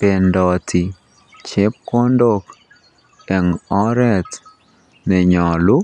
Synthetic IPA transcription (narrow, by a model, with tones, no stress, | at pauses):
pe˨ndɔ˨tʰi˨ | t͡ʃe˦p̚kɔ˦ndo˦k | ɛ˨ŋɔ˦ɾɛ˦t | nɛ˨ɲɔ˨lʊ˦